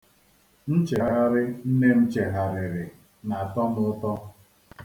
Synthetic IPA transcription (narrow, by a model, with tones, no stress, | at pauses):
n̩˦t͡ʃe˨ɣa˦ɾɪ˦n̩˦ne˦m̩˦t͡ʃe˨ɦa˨ɾɪ˨ɾɪ˨ | na˨a˨tɔ˦m˦ʊ˦tɔ˦